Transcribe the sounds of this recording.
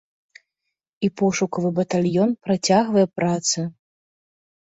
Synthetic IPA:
ipɔʂukɐvɨbɐt̪alʲjɔnpɾat͡sʲaɣvɐjɛpɾat̪sɨ

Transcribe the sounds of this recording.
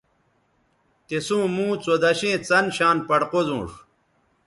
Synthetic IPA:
t̪esũːmũːt͡sod̪ɐɕẽːt͡sɐnɕaːnpɐɽqozṵ̃ːʂ

